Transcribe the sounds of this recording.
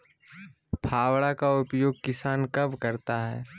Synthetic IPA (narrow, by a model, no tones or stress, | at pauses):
pʰaːwɽakaʊpjoːɡ̚kɪsaːnkɐbkɐɾt̪aɦɛ̰ː